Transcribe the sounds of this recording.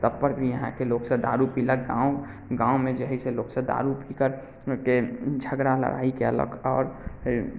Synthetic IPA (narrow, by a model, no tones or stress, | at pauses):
t̪əbpəɾbʱijəɦã̰keloːksed̪a̰ːɾupiləkɡãːo | ɡãːomẽd͡ʒəɦiseloːksed̪a̰ːɾupʰikəɾ | ked͡ʒʱəɡɾalə̰ɾʔa̰ːikeə̰lə̰kʰɔːɾ